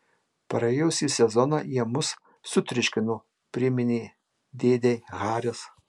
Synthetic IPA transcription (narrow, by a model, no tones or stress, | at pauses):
pɐɾɐɛʊsʲiːsʲɛzɔnɑjiɛmʊsː | ʊt̪ʲɾʲɪʃʲkʲɪnʊ | pʲɾʲɪmʲɪnʲiː | d̪ʲeːd̪ʲeɣɑːɾʲɛs